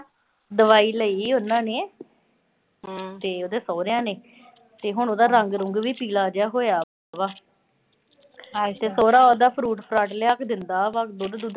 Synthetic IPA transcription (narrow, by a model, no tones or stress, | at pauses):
d̪əʋaːiːləiːʊnːãːneː | t̪eːoːd̪eːsɔːɾejãːneː | t̪eːɦʊɳoːd̪aːɾəŋɡɾʊŋɡʋiːpiːlaːd͡ʒjaːɦoːejaː | ʋaː | t̪eːsoːɾaːoːd̪aːpʰɾuːʈpʰɾaːʈleːaːkd̪ɪnd̪aːʋakd̪oːd̪d̪uːd̪